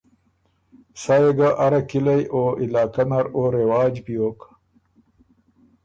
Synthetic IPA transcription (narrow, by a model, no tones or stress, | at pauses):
sajeɡaʔaɾakilajʔoilaːkanaɾoːɾewaːd͡ʒbijoːk